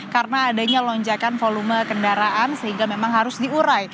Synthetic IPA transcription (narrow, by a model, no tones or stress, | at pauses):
karənaːdaɲalɔɲd͡ʒakanfoluməkəndaɾaʔansəɦiŋɡamemaŋɦaɾʊsdiuɾaj